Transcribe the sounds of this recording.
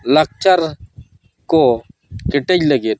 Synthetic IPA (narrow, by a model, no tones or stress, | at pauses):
lək̚t͡ʃəɾ | ko | kɪʈed͡ʒləɡet̪